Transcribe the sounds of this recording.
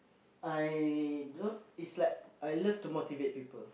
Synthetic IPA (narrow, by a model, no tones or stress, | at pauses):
ajdoitslaɪk̚ʔajləvtumotivet̚pipəl